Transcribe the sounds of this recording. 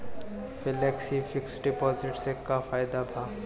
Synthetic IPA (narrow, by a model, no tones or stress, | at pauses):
fɪlɛːksifɪksɖɪpɔːzɪʈsekafaːjd̪abʱaː